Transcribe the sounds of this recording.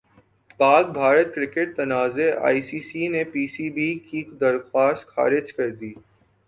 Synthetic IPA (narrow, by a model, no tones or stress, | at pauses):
paːk̚bʱaːɾət̪̚kɾɪkeʈ̚t̪ɐnaːzeʔa̰ːisiːsinepiːsibikid̪ɐɾxwaːst̪xa̰ːɾɪd͡ʒkɐɾd̪iː